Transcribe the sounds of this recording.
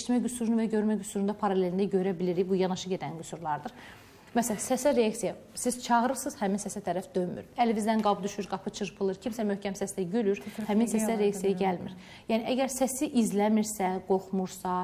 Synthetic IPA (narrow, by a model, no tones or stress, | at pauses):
ʃt̪mæɟysuɾunuvæɟø̞ɾmæɟysuɾund̪ɑpʰɑɾɑlʲelind̪æɟø̞ɾæbiliɾibujɑnɑʃɯɟe̞d̪ænɡysuɾlˠɑɾd̪ɯɾ | mæsælæsæsæɾejɑksija | siz̥t͡ʃʰɑɣɾɯɾsɯz̥hæminsæsæt̪ʰæɾæfd̪øjmy̰ɾælvizd̪ænɡɑbd̪yʃyɾɡɑpʰɯt͡ʃʰɯɾpʰɯlˠɯɾcʰimsæmøhcʰæmsæsd̪æɟylyɾhæminsæsæɾeaksijajaɟælmḭɾ | jæːniʔæɟæɾsæsiʔizlæmiɾsæɡo̞χmuɾsɑ